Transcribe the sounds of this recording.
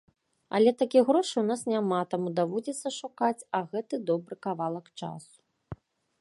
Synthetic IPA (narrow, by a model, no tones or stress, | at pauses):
ɐ̰lʲɛt̪akʲiɣɾɔʂɨwnasnʲamat̪amud̪avɔd͡zʲɛt̪sːɐʂukat͡sʲɐɣɛt̪ɨd̪ɔbɾɨkavalˠɐkt͡ʂa̰su̥